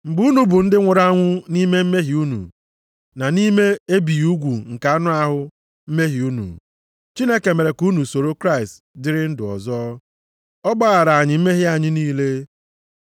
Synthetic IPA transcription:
m̩˨ɡ͡bu˦nu˨bʊ˨n̩˦dɪ˦ŋʷʊ˨ɾa˦ŋʷʊ˦ni˦me˦m̩˦me˦ɦi˨u˦nṵ˨ | na˨ni˦me˦e˦bi˨u˦ɡʷu˨ŋ̩˨ka˨a˦nʊ˦a˦ɦʊ˦ | m̩˦me˦ɦi˨u˦nṵ˨ | t͡ʃi˦ne˦ke˨me˨ɾe˨ku˦nu˨so˨ɾo˦kɾa˦ɪ˨st | dɪ˦ɾɪ˦n̩˦dʊ˨ɔ̰˨zɔ˦ | ɔ˦ɡ͡ba˦ɣa˨ɾa˨a˨ɲɪ˨m̩˦me˦ɦɪ˦a˨ɲɪ˦niː˦le˦

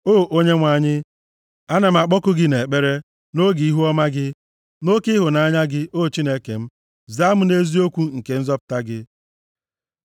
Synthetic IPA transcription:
oː˦˨ʔo˦ɲe˦ŋʷa˨ɲɪ˦ | a˦ne˨m̩˨a˨k͡pɔ˦kʊ˦ɡɪ˦ne˨k͡pe˦ɾe˦ | no˦ɡi˨i˦ɦu˦ɔ˦ma˦ɡɪ˦ | no˦kɪ˦ɦʊ˨na˨a˦ɲa˦ɡɪ˦ʔo˦˨t͡ʃi˦ne˦ke˨m̩˦ | za˦mʊ˦ne˦zi˦o˦kʷu˦ŋ̩˨ke˨n̩˦zɔ˦pʊ̥˨˦ta˦ɡɪ˦

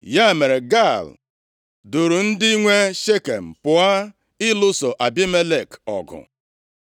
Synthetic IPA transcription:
ja˦˨me˨ɾe˨ɡa˦˨l | dʊ˨ɾu˨n̩˦dɪ˦i˦ŋʷe˦ʃe˦kḛ˨m̩˨pʊ˨a˦ | ɪ˦lʊ˦so˨ʔa˨bi˦me˦le˨kɔ̰˨ɡʊ̰˨

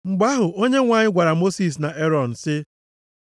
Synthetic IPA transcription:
ŋ͡m̩˨ɡ͡ba˦ɦʊ˨o˦ɲe˦ŋʷa˨ɲɪ˦ɡʷa˨ɾa˨mo˦si˨s̬na˨ʔe˦ɾɔ˨n̩˨sɪ˦

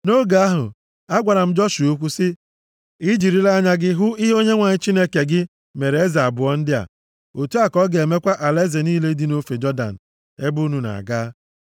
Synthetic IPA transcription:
no˦ɡa˨˦a˦ɦʊ̰˨ | a˦ɡʷa˨ɾa˨m̩˦d͡ʒɔ˦ʃu˨o˦kʷu˦sɪ˦ | i˦d͡ʒi˨ɾi˦la˦ɲa˦ɡɪ˦ɦʊ˦i˦ɦo˦ɲe˦ŋʷa˨ɲɪ˦t͡ʃi˦ne˦ke˨ɡɪ˦ | me˨ɾe˨e˦za˨a˨bʊ˨ɔ˦n̩˦dɪ˦a̰˨ | o˨tu˦a˦˨kɔ˦ɡe˨me˦kʷa˦ʔa˨le˦ze˨niː˦le˦di˦no˦fe˨d͡ʒɔ˦da̰˨n̩˨ | e˦bu˦nu˨na̰˨a̰˨ɡaː˦

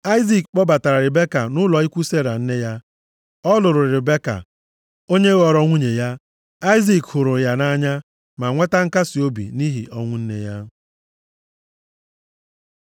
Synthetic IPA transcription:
a˦ɪ˦zi˨kk͡pɔ˦ba˨ta˨ɾa˨ɾɪ˨be˦ka̰˨nʊ˦lɔ˨i˦kʷu˦se˦ɾa˨n̩˦ne˦ja˦ | ɔ˦lʊ˨ɾʊ˨ɾɪ˨ɾɪ˨be˦ka̰˨ | o˦ɲe˦ɣɔ˨ɾɔ˦ŋʷu˦ɲe˨ja˦ | a˦ɪ˦zi˨khʊ˨ɾʊ˨ja˨na˦ɲa˦ | ma˨ŋʷe˦ta˦ŋ̩˦ka˦si˨o˦bḭ˨ni˦ɦḭ˨ʔɔ˦ŋʷʊ˦n̩˦nḛ˦ja˦

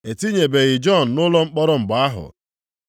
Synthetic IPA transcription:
e˨ti˦ɲe˨be˨ɣɪ˨d͡ʒɔ˦˨n̩˨nʊ˦lɔ˦ŋ͡m̩˦k͡pɔ˦ɾɔ˦ŋ͡m̩˨ɡ͡ba˨˦a˦ɦʊ̰˨

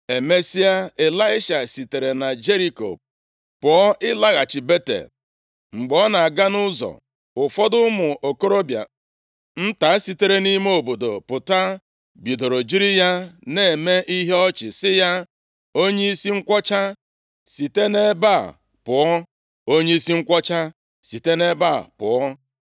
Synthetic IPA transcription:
e˨me˦si˦a˦e˨la˦ɪ˦ʃa˨si˨te˨ɾe˨na˨d͡ʒe˦ɾi˦ko̰˨ | pʊ˨ɔ˦ʔɪ˦la˦ɣa˨t͡ʃɪ˨be˦tḛ˨ | ŋ͡m̩˨ɡ͡bɔ˦na˨a˨ɡa˦nʊ˦zɔ̰˨ | ʊ˨fɔ˦dʊ˦mʊ˨ʔo˨ko˦ɾo˦bja̰˨ | n̩˦ta˨˦a˦si˨te˦ɾe˦ni˦me˦o˨bo˨do̰˨pʊ˨ta˦ | bi˨do˨ɾo˨d͡ʒi˦ɾi˦ja˦ne˨e˨me˦ʔi˦ɦe˦ɔ˦t͡ʃɪ˨sɪ˦ja˦ | o˦ɲe˦i˦si˦ŋ̩˦kʷɔ˦t͡ʃa˦ | si˨te˦ne˦ba˦˨ | pʊ˨ɔ˦ | o˦ɲe˦i˦si˦ŋ̩˦kʷɔ˦t͡ʃa˦ | si˨te˦ne˦ba̰˦˨pʊ̰˨ɔ˦

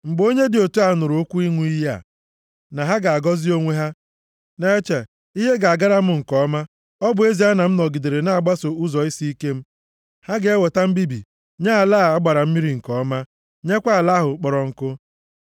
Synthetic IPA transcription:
ŋ͡m̩˨ɡ͡bo˦ɲe˦dɪ˨o˨tu˦a˨˦nʊ˨ɾʊ˨o˦kʷu˦i˦ŋʷu˦i˦ja̰˨ | na˨ɦa˦ɡa˨a˨ɡɔ˦zi˦o˦ŋʷe˦ɦa˦ | ne˦e˦t͡ʃe˨ | i˦ɦe˦ɡa˨a˨ɡa˦ɾa˦m̩˦ŋ̩˨kɔ˦ma˦ | ɔ˦bʊ˨e˦zi˨ɦa˦na˨m̩˦nɔ˨ɡi˨de˨ɾe˨na˦a˨ɡ͡ba˦so˨u˦zɔ˨i˦si˦i˦ke˦m̩˦ | ha˦ɡe˦we˨ta˦m̩˦bi˦bḭ˨ | ɲa˦a˨laː˦˨a˦ɡ͡ba˨ɾa˨m̩˦mi˦ɾi˨ŋ̩˨kɔ˦ma˦ | ɲe˦kʷa˦a˨la˦ɦʊ˨k͡pɔ˨ɾɔ˨ŋ̩˨kʊ˦

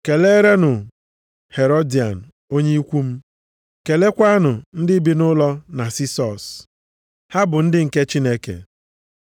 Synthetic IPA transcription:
ke˨le˦ɾe˦nʊ˨ | he˨ɾo˦di˨a̰˨n̩˨ | o˦ɲe˦i˦kʷu˦m̩˦ | ke˨le˦kʷa˦a˦nʊ˨n̩˦dɪ˦bi˦nʊ˦lɔ˦na˨si˦sɔ˨s | ha˦bʊ˨n̩˦dɪ˦ŋ̩˨ke˦t͡ʃi˦ne˦kḛ˨

